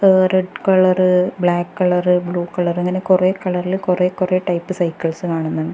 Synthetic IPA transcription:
reɖkɐɭɐrɨbɭaːkːɐɭɐrɨbɭuːkɐɭɐreŋːɐne̞kurekɐɭɐrilkureːkureːʈɐjpːɨsɐjkːɐɭsɨkaːɳunːɐɳɖɨ

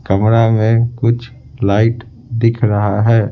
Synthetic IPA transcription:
kəmɾamẽkʊt͡ʃʰ | laːɪʈ | d̪ɪkʰɾəɦaɦɛː

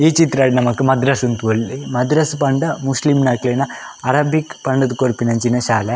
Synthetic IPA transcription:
iːt͡ʃit̪ɾɐːɖinɐmɐkːɯmɐd̪ɾɐsunt̪uolːimɐd̪ɾɐspɐɳɖɐmuslimnaːklejnɐɐɾaːbikpɐɳɖɐd̪ukoɾpinɐɲt͡ʃinɐʃaːle

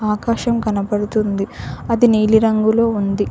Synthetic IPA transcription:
aːkaːʃɐmkɐnɐpɐɽut̪und̪iɐd̪iniːliɾɐŋɡuloːund̪i

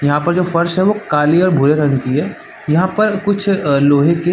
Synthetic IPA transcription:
jɐɦãpɐɾd͡ʒoːfɐɾʃɦɛʋokaːliɔːɾbʱʊɾeɾɐnkiɦɛː | jɐɦãpɐɾkʊt͡ʃʰloːɦẽke

